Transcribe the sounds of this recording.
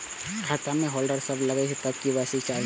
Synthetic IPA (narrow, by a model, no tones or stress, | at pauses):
kʰaːt̪amẽɦɔːlɖəɾsɐblɐɡəiɦt̪ːək̚kibaːsit͡ʃaː